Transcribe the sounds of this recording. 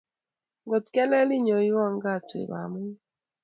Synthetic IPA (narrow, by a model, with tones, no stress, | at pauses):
ɡo˨t̪kɛ˦lɛ˦li˦ɲɔ˨jwa˦˨ŋɡa˦˨twḛ˨ba̰˨mu˦